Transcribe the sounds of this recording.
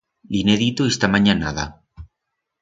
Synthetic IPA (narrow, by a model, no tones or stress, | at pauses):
lineðit̪oest̪amaɲanaða̰